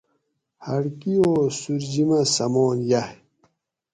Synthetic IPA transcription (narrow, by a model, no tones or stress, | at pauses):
hɐɽkioːsuɾd͡ʑimɐsɐmoːnjah